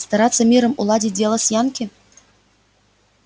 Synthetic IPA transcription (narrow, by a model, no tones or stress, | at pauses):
st̪ɑɾɑt̪sːəmʲiɾəmulˠɑdʲit̚ʲdʲelˠəsjɑnkʲɘ